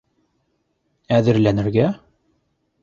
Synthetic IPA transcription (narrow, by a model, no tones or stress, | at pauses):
æðɘ̆ɾlænɘ̆ɾɡæ